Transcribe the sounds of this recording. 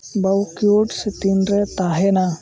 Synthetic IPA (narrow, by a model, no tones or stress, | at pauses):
bəwkijoʈsət̪ind̪ɾət̪aɦena